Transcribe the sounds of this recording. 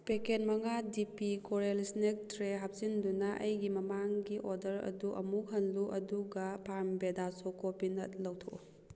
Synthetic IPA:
pekenmɐŋadipikoɾelisnek̚tɾeɦap̚sindunɐʔɐ̰jɡimɐmaŋɡiʔoɾdɐɾɐ̰duʔɐmuk̚ɦɐnluʔɐduɡɐpʰaɾmbedasokopinɐt̚lɐwtʰo

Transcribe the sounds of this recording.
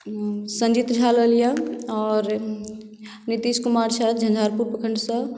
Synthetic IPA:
sə̃nd͡ʒit̪d͡ʒʱaləlijãɔɾ | nit̪iskumaɾsat̪d͡ʒʱə̃nd͡ʒ̪ʱaɾpuɾpəkʰəɳɖsə̃

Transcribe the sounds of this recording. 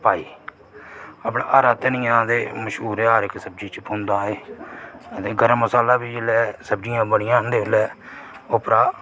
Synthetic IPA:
paːiː | aːpɳaːʔaːɾaːt̪enɪ̃ːd̪eːməʃɦuːɾeːaːɾɪksəb̚d͡ʒiːt͡ʃpʊ̃nd̪ãːeː | ət̪eːɡəɾəmːəsaːlaːbiːd͡ʒelɛːsəb̚d͡ʒɪjãːbəɽɪjãːɦnd̪eːʋɪlɛːʊpɾaː

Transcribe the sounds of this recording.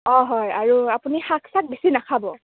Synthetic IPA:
ɔ̃ɦɔjaɹuapunixakʰsak̚besinakʰabɔ

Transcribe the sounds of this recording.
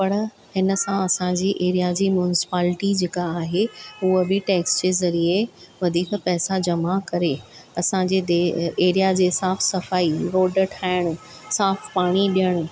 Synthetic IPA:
pɐɽ̃ | hɪnə̆sãɐsãd͡ʑiːʔeːɾijad͡ʑiːmjunɪsɪ̥paːlɪʈid͡ʑeːkaːɦeuəbɪʈeːksd͡ʑeːzɐɾieʋɐd̪ʱiːkpɛːsad͡ʑɐmakɐɾeɐsãd͡ʑeːd̪eeːɾijad͡ʑeːsaːfʰsɐfaːiɾoːɖəʈʰaːɪɽ̃ʊ̆ | saːfpaːɽ̃iɗijəɽ̃

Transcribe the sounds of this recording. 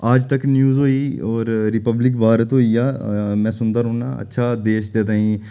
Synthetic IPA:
aːd͡ʒt̪əknjuːzɦoːiːɔːɾɾɪpəblɪkbaːɾət̪ɦoːiaːmɛ̃ːsʊnd̪əːɾõːna̰ːə̰tːʃʰaːd̪eːʃd̪eːt̪aːĩː

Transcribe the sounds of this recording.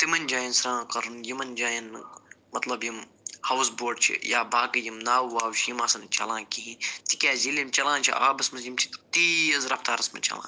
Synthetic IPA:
t̪imɐnʲd͡ʒaːjinsɾãːkɐɾunjimɐnd͡ʒaːjɐn | mɐt̪lɐbjim | hɐws̬boːɖ̚t͡ʃʰḭjaːbʱaːkɐjimnaːwwaːwt͡ʃʰjimaːsɐnt͡ʃɐ̰lãːkiɦĩt̪ikʲaːzilemt͡ʃɐlãːnt͡ʃʰḭʔa̰ːbɐsmɐzjimt͡ʃʰi̥t̪t̪iːɐzɾɐft̪aːɾɐsmɐ̰t͡ʃɐ̰lã̰ː

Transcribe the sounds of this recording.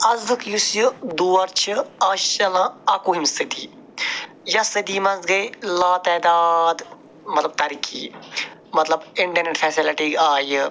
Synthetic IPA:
ɐzd̪ɨkjusjud̪uːɐɾt͡ʃʰɨaːʃɐlãɐkuɦimsəd̪ḭː | jɐsɐd̪iːmɐ̃nzɡɐjlaːt̪ɛːd̪aːd̪ | mɐt̪lɐb̚t̪ɐɾikʰḭːmɐt̪lɐbɪɳʈɐɾneʈfʰɛːsilɪʈiːaːj

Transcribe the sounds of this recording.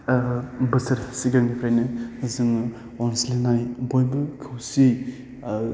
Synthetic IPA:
bɐsɐɾsiɡaŋnipʰɾajnɯzɯŋ | ɔnsilenajbɔjbɯkʰɯwsi

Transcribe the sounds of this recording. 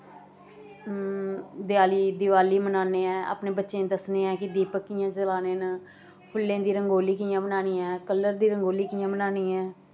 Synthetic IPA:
d̪ɪaːliːd̪ɪʋaːliːmənaːneːɛ̃ːa̰ːpneːbətːʃẽːd̪əsneːɛ̃ːkɪd̪iːpəkːɪjãːd͡ʒəlaːneːnə | pʰʊlːẽːd̪iːɾəŋɡoːliːkiãːbənaːniːɛ̃ːkəlːəɾd̪iːɾəŋɡoːliːkɪjãːmənaːniːɛ̃ː

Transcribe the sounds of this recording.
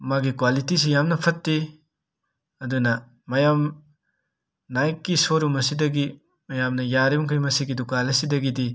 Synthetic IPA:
maɡikwalitis̬ijamnɐpʰɐtːi | ɐdunɐ | mɐjam | najkːisoɾumɐsidɐɡi | mɐjamnɐjaɾimŋkʰɾimɐsiɡidukalɐsidɐɡidi

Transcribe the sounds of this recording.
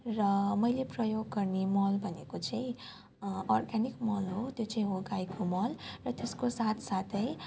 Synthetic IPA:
rʌmʌjleprʌjoɡːʌrnemʌlbʱʌnekot͡sʌĩ | ɔrɡanikmʌlɦot̪jot͡sʌ̃ĩɦoɡajkomʌlrʌt̪eskosat̪ʰsat̪ʰʌj

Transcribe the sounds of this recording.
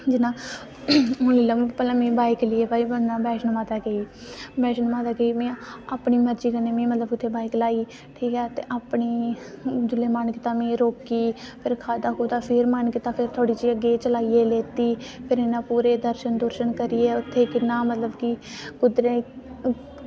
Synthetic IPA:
d͡ʒɪnãː | ʊliːləmpəlãːmĩːbaːɪklɪeːbaːiːbənːãːbɛːʃənmaːt̪aːɡeiː | bɛːʃənmaːt̪aːɡəiːmĩːaːpɳiːməɾd͡ʒiːkəneːmĩːmət̪ləbɪt̪ʰːeːbaːɪklaːiː | ʈʰiːkɛːt̪eːʔaːpɳiːd͡ʒ̪ʊleːmaːnkɪt̪aːmĩːɾoːkiːpʰɪɾkʰaːd̪aːkuːt̪aːpʰɪɾmənkɪt̪aːpʰɪɾt̪ʰoːɽiːd͡ʒiːəɡːeːt͡ʃəlaːiːeːleːt̪iːpʰɪɾenãːpuːɾeːd̪əɾʃənd̪oːɾʃənkəɾɪjeːʊt̪ʰːeːkɪnːãːmət̪ləbkɪkʊd̪ɾeː

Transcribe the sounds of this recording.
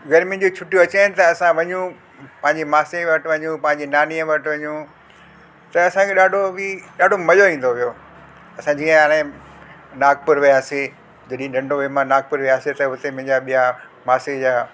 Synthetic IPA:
ɡɐɾmĩd͡ʑot͡ɕʰʊʈijoɐt͡ɕaːɪnɪ̆t̪ɐːsãʋɐɲũ | pɐ̃ɦɪ̃ɲd͡ʑimaːseʋɐʈʋɐɲũpɐ̃ɦɪ̃ɲd͡ʑinaːniəʋɐʈʋɐɲũ | t̪ɐɐsãkʰeɗaːɖʱobiɗaːɖʱomɐloʋĩːn̆d̪oʋijo | ɐsãd͡ʑiːə̃ɦaːɽ̃ẽ | naːɡ̚pʊɾʋijaːse | d͡ʑɐɗɦĩɗɐ̃ɳɖʱoʋemãnaːɡ̚pʊɾʋijaːset̪ɐɦʊt̪emɐ̃ɦɪ̃ɲd͡ʑaɓija | maːsed͡ʑaː

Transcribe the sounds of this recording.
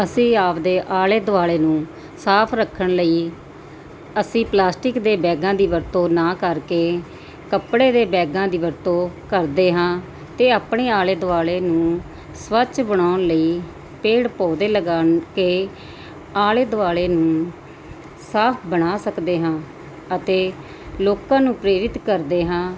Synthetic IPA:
əsĩːaːpd̪eːʔaːleːd̪ʊaːɭeːnũː | saːpʰɾəkʰːəɳləiː | əsĩːplaːsʈɪkd̪eːbɛːɡãːd̪iːʋəɾt̪oːnaːkəɾkeː | kəpɽeːd̪eːbɛːɡãːd̪iːʋəɾt̪õːkəɾd̪eːɦãː | t̪eːaːpɳeːaːleːd̪ʊʋaːɭeːnũː | sʋət͡ʃbəɽaːʊɳləiː | peːɽpɔːd̪eːləɡaːnkeː | aːleːd̪ʊaːleːnũː | saːpʰbəɽ̃aːsəkd̪eːɦãː | ət̪eː | loːkãːnũːpɾeːɾɪt̪kəɾd̪eːɦãː

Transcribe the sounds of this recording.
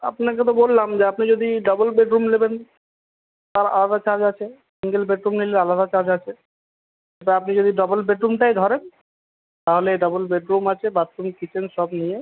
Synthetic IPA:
a̰pnaket̪̬obolːamd͡ʑeapnid͡ʑod̪iɖɔbolbeʈɾumleben | t̪aɾa̰lad̪at͡ɕad͡ʑat͡ɕʰe | siŋɡelbeʈɾumnilealad̪at͡ɕad͡ʑat͡ɕʰe | et̪aapnid͡ʑod̪iɖɔbolbeʈɾumʈajd̪ʱɔɾen | t̪aɦoleɖɔbolbeʈɾumat͡ɕʰebat̪ːɾumkit͡ɕʰenʃɔbnije

